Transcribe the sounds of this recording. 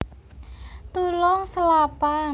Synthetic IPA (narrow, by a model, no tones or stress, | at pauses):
t̪ulɔŋsəlapa